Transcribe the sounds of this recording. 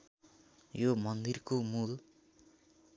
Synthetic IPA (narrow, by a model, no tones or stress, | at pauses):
jomʌnd̪irkomul